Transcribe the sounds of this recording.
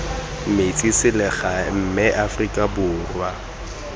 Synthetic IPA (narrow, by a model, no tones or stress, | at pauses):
met͡sʼisɪlɪχam̩mɛʔafrikʼabʊːrwa